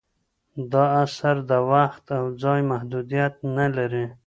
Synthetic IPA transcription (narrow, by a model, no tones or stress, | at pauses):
d̪ɑasaɾd̪əwaxt̪awd͡zɑjmahd̪ud̪ijat̪̚nalaɾi